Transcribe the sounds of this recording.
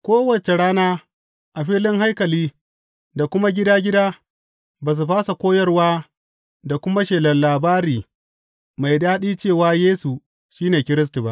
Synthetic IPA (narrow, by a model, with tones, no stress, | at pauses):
kʷoː˦wɐ˨t͡ʃe˨ɽaː˦naː˦ | ʔa˨ɸiː˦lɪ˦ŋɦa˦jkɐ˨liː˦ | da˨kʷʊ˦ma˦ɡʲɪ˦daː˦ɡʲɪ˦daː˦ | baː˨s̬u˨ɸaː˦sa˨kʷoː˦jɐ˦rwaː˦ | da˨kʷʊ˦ma˦ʃeː˨lɐ˨nlaː˨baː˦ɾiː˨ | ma˨jdaː˦ɗiː˦t͡ʃeː˦˨waː˦jeː˦su˨ | ʃiː˦neː˨kʲɪ˦ɾɪ˦s̬tu˨ba˦ʔ